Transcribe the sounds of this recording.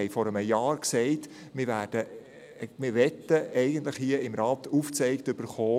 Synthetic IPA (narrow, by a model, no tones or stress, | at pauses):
ɛɪfɔɾəməjɑːɾksɛɪt | mɪɾʋæːɾd̥ə | mɪɾʋɛtəɛɪɡəntləχhiəɪmɾɑːt̪uft͡sɛɪkt̪ʏb̥əɾχoː